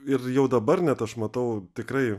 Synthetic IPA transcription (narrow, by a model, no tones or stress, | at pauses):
ɪrjɛʊd̪ɐbɐrnʲɛt̪ɐʃmɐt̪ɐʊt̪ʲɪkɾɐɪ